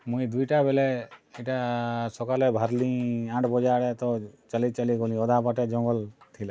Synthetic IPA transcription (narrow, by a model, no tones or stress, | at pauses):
mũĩd̪ujʈabelɛɛʈasɔkalɛbʱəɾlĩãɳʈʰbɔd͡ʒaɽɛt̪ɔt͡ʃəlit͡ʃəliɡolĩɔd̪ʱapaʈɛd͡ʒɔ̃ŋɡɔlt̪ʰila